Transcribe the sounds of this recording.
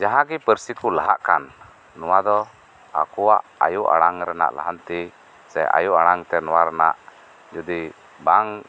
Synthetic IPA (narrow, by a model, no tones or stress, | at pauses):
d͡ʒaɦãɡɛpəɾsikulaɦaʔkanː | uwad̪ɔ | a̰kuwaʔa̰juʔa̰ɽaŋɾɛna̰ʔla̰ɦant̪i | sɛ̰a̰juʔaɽaŋt̪ɛnɔwaɾɛna̰ʔ | d͡ʒud̪i | baŋ